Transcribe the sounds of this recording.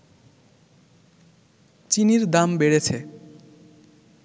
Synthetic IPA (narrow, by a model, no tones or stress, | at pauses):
t͡ɕiniɾd̪ambeɽet͡ɕʰe